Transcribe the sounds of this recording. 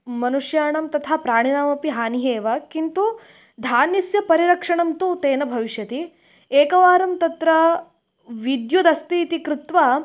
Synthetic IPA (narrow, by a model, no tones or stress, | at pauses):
mɐnuʂjaːɳɐmt̪ɐt̪ʰapɾaːɳinaːmɐpiɦaːniɦeːʋɐkint̪u | d̪ʱaːnisjɐpɐɾiɾɐkʂɐɳɐmt̪ut̪eːnɐbʱɐʋiʃjɐt̪i | eːkɐʋaːɾɐmt̪ɐt̪ɾɐ | ʋid̪jud̪ɐst̪iːt̪ikɾut̪ʋaː